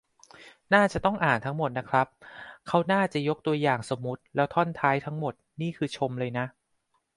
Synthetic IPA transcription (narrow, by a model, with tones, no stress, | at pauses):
naː˥˩t͡ɕa˨˩t̪ɔ˥˩ŋʔaː˨˩nt̪ʰa˦˥ŋmo˨˩t̪̚na˦˥kʰɾa˦˥p̚kʰa˦˥wnaː˥˩t͡ɕa˨˩jo˦˥k̚t̪u˧ɐjaː˨˩ŋso˨˩mːu˦˥t̪̚lɛː˦˥wt̪ʰɔ˥˩nt̪ʰaː˦˥jt̪ʰa˦˥ŋmo˨˩t̪̚niː˥˩kʰɯː˧t͡ɕʰo˧mlɤː˧jna˦˥ʔ